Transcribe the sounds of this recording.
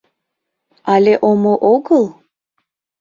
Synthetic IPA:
aleʔomoʔoɡɤlˠ

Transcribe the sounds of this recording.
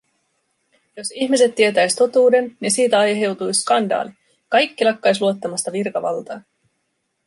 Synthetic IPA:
jo̞siçmise̞t̪ːie̞t̪æjst̪o̞t̪uːde̞nːisiːt̪æɑjɦe̞wt̪ujskɑndɑ̰ːli | kɑjkːilɑkːɑjsluo̞t̪ːɑmɑst̪ɑʋirkɑʋɑ̰lt̪ɑː

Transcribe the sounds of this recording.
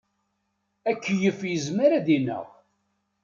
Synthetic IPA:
ækːjəfjəzməɾaðinə̰ʁ

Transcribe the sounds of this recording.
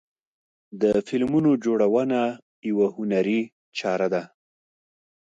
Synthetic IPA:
d̪əfɪlmunod͡ʒoɽawəna | jawahʊnaɾi | t͡ʃɑɾad̪a

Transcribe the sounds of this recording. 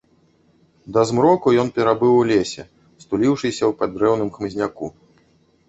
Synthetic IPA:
d̪ɐzmɾɔkujɔnpʲɛɾabɨwlʲesʲɛ | st̪ulʲiwʂɨsʲɐwpad̪ɾɛwnɨmxmɨzʲnʲaku

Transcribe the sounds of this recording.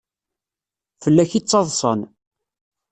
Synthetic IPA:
fəlːæçit͡sːɑðˤsˤə̰n

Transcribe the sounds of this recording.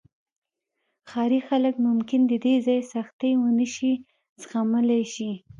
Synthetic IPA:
xɑɾixaləkmʊmkɪnd̪əd̪ezɑjsaxt̪ejwənəʃi | zxaməlajʃi

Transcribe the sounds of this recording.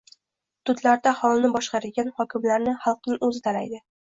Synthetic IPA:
t̪ʰʊd̪laɾd̪ahɒlˠnɪbɒʃqɑɾɪɡʲanhɒkʲɪmlaɾnɪχɑlˠqnɪŋɵzɪt̪ʰalajd̪ɪ

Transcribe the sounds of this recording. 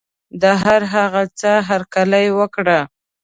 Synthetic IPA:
d̪əɦaɾɦaɣat͡səɦaɾkaləjwəkɽa

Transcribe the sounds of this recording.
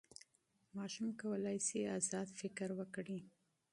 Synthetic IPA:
mɑʃumkawəlɑjseazɑd̪fɪkɾwəkɽi

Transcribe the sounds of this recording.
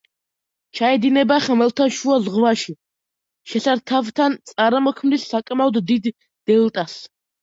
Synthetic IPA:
t͡ʃʰaɛd̪inɛbaχɛmɛlt̪ʰaʃuazʁvaʃi | ʃɛɬaɾt̪ʰavt̪ʰant̪sʼaɾamɔkʰmnisːakʼmaɔd̪ːid̪ | d̪̥ɛlt̪ʼas

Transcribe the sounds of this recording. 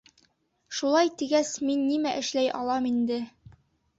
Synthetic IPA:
ʃulˠɑjt̪iɡæsminːimæʔɘ̆ʃlæjʔɑ̰lˠɑmind̪ɘ

